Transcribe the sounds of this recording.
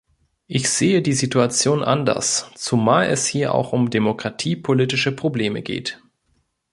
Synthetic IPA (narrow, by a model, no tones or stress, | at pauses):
ʔɪçz̥eːədiːzituat͡sjoːnʔa̰ndɐ̰st͡sumaːlɛ̰shiːɐʔa̰ʊxʊmdemokʁ̥atʰiːpʰolitɪʃəpʁ̥obleːmə̰ɡḛːt